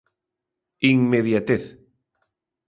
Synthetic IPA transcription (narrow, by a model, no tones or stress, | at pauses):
iŋmeðjat̪eθ